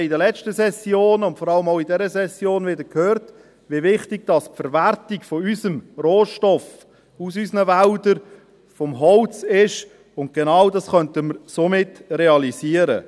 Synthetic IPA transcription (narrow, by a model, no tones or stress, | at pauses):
idəlɛt͡ʃtəsɛsjoːnʊntfɔɾɑləmaʊidɛɾəsɛsjoːnvɪdəɾkʰhøːrt | ʋivɪχtɪɡ̚d̥ɑspfɛɾvæɾtiɡfɔyzəmroːʃtɔf | usysnəvældəɾ | fɔmɦɔlt͡sɪʃ | ʊnt̚ɡ̥enɑwdɑsχœntəməɾsomɪtreɑliziəɾə